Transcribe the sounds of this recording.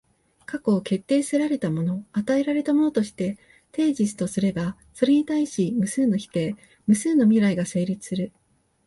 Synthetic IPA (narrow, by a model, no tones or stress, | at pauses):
kako̞ːke̞t̪ːe̞ːsɨɾaɾe̞t̪amo̞no̞at̪ae̞ɾaɾe̞t̪amo̞no̞t̪o̞ɕi̥t̪e̞ | t̪e̞ːʑisɨ̥t̪o̞sɨɾe̞ba | so̞ɾe̞ɲ̟it̪aiɕimɯ̟sɨːno̞çi̥t̪e̞ː | mɯ̟sɨːno̞mʲiɾaiɡase̞ːɾʲit͡sɨ̥sɨɾɯ̟